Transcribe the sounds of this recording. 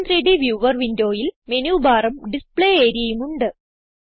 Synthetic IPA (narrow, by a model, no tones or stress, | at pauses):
nriɖiʋjuːʋɐrʋindo̞ːjilme̞nuːbʱaːrɐmɖispɭeːeːɾijɐjumuɳɖɨ